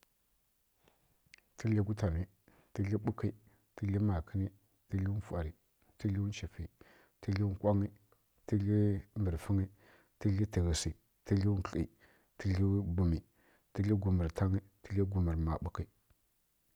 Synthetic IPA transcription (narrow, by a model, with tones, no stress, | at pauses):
tʰi˦ɮi˦ɡu˦ta˨ni˨ | ti˦ɮi˦ɓu˦ki˨ | ti˦ɮi˦ma˨kʰə˦ni˦ | ti˦ɮi˦fu˨a˨ɾi˨ | ti˦ɮi˦t͡ʃi˨fi˨ | ti˦ɮi˦kʷa˦ŋi˦ | ti˦ɮi˦mbə˨ɾfə˦ŋi˦ | ti˦ɮi˦ti˨ɣi˨si˨ | ti˦ɮi˦ɬḭ˨ | ti˦ɮi˦bu˨mi˨ | ti˦ɮi˦ɡu˨mi˨ɾtʰa˦ŋi˦ti˦ɮi˦ɡu˨mə˨ɾma˨ɓu˦ki˨